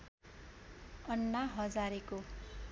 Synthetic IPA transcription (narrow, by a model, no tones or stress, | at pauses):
ʌnːaɦʌd͡zaɾeko